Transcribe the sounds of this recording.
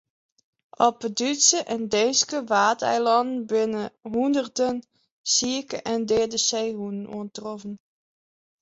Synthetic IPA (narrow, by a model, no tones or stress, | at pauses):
ʔɔpədytsəʔɛndɛːskəʋaːtɛ̰jlɑndn̩bɪnəɦundərdən | siəkəʔɛndɛːdəsejɦunənṵəntrɔfən